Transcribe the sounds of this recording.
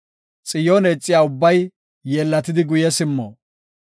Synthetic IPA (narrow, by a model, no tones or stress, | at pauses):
t͡sʼɪjoːneːt͡sʼːɪjaːʊbːɐjː | eːlːɐt̪ɪd̪ɪɡʊjɛsɪmːo̰ː